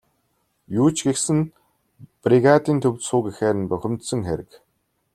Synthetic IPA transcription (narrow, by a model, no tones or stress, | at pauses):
juːt͡ɕɡexsɘ̆n | priɣat̪iːnt̪ʰɵwʲt̪sʊːkixeːɾɘ̆npœxʲɪ̆mt̪sə̆ŋxeɾɘ̆k